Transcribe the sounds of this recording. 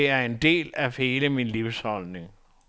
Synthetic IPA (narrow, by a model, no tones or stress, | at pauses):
æɐend̥e̝̰ːlæhe̝ːləminliʊshɒlne̝ŋ